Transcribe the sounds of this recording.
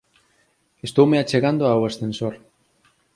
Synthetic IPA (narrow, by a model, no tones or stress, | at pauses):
est̪owmeat͡ʃeɣand̪oawest̪ensoɾ